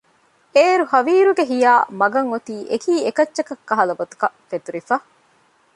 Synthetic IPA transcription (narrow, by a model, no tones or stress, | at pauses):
eːɾuhɐʋiːɾuɡeɦijaːmɐɡɐŋot̪iːʔekiːekɐt͡ʃːʃɐkɐkːɐɦɐlɐbot̪u̥kɐfet̪uɾifɐ